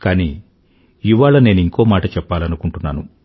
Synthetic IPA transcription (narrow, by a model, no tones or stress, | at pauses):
kaːni | iʋaːɭɐne̞ːnuiŋko̞ːmaːʈɐt͡ʃɛpːaːlɐnukuɳʈunːa̰ːnu